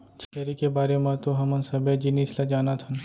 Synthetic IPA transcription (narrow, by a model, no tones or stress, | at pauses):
t͡ʃʰɐɾikebaːɾemãt̪oɦɐmɐnsɐbʱed͡ʒiniːslad͡ʒaːnat̪ʰɐn